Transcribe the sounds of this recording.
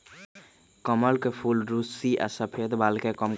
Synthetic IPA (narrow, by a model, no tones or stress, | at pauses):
kəməlkepʰulɾusiʔa̰səpʰed̪balkekəm